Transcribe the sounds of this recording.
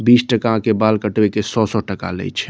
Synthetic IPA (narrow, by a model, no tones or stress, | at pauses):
bisʈəkãkebalkəʈbekesɔsɔʈəka̰lɛ̰jt͡ʃʰɛ̥